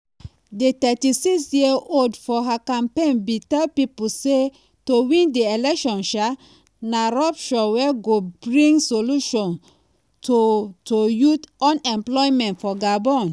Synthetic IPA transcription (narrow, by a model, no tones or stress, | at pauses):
detɛtisiksjioldfɔɦakãmpẽnbitapipuse | towĩndeelɛkʃɔ̃nʃa | naɹɔpʃɔwɛɡob̥ɹĩŋɡsoluʃɔ̃n | totojutɔ̃nɛ̃mplɔimɛ̃ntfɔɡabɔ̃n